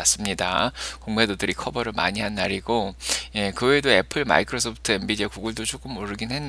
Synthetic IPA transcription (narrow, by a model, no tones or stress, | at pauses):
as͈ɯmɲida̰koŋmedodɯɾikʰʌbʌɾɯɭma̰ɲiɦanːaɾiɡoje̞kɯwe̞doe̞pʰɯɭma̰ikʰɯɾosʰopʰɯ̥tʰɯe̞mbidiakuɡɯɭdot͡ɕʰok͈ɯmːoɾɯɡinhe̞nː